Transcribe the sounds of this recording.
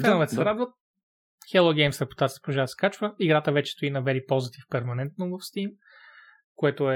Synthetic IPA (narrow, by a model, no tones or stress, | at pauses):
kɛnovɛt̪sɾad̪vət̪̚ | xɛlˠoɡɛjmsɾɛpo̥t̪at̪sipoʒaskat͡ʃvəiɡɾat̪əvɛt͡ʃɛ̥st̪oinɐvɛɾipɔlˠzət̪ifpɛɾmɐnɛnt̪̚novəfst̪im | koɛt̪oɛ